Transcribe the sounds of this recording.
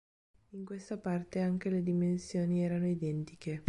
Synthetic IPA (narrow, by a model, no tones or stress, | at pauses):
iŋkwest̪apart̪eaŋk̟eled̪imensjoːniɛːɾanoid̪ɛnt̪ike